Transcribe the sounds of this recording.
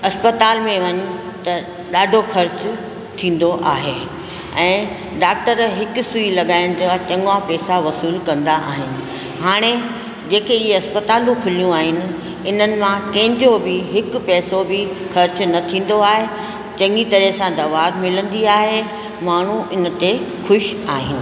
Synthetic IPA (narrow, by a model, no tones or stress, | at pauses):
ɐspət̪aːlmẽʋɐɲu | t̪ɐ | ɗaːɖʱoxɐɾt͡ɕʊ | t̪ʰĩːn̆d̪oʔa̰ːɦe | ɛ̃ː | ɖaːk̚ʈəɾɦɪkʊ̆suilɐɠaːɪɽ̃d͡ʑat͡ɕɐ̃ŋɡapɛːsaʋɐsiːlkɐ̃nd̪aʔa̰ːɦɪnɪ̆ | ɦaːɽ̃e | d͡ʑeːkeɪɦeɐspət̪aːlũkʰʊlijũaːɦɪnɪ̆ | ɪn̤ənɪ̆mãkɐ̃ɦɪ̃ɲd͡ʑobɪɦɪkʊpɛːsobɪ | xɐɾt͡ɕnɐt̪ʰĩːn̆d̪oaːɦe | t͡ɕɐ̃ŋɡit̪ɐɾɛsãd̪ɐʋaːd̪mɪlə̃nd̪iaːɦe | maːɳ̤uʔɪn̆t̪exʊʃaːɦɪnɪ̆